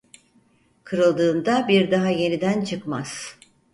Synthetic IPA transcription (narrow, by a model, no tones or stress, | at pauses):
kʰɯɾɯlˠd̪ɯːnd̪abiɾd̪aɦaje̞nid̪ænt͡ʃʰɯkmaz̥